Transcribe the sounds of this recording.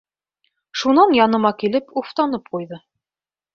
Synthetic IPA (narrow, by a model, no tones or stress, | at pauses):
ʃunɑnjɑnɤ̆mɑkilɘpuft̪ɑnɤp̚qujðɤ